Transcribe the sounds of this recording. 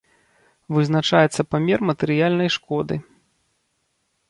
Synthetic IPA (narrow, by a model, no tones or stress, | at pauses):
vɨzn̪at͡ʂajɛt̪sːɐpamʲɛrmɐt̪ɛɾɨjalʲnɐjʂkɔd̪ɨ